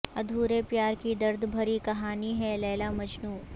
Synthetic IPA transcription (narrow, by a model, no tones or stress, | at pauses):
ɐd̪ʱuːɾepjaːɾkid̪ɐɾd̪ʱbʱɐɾikɐɦaːniɦɛlɛːlamɐd͡ʒnuː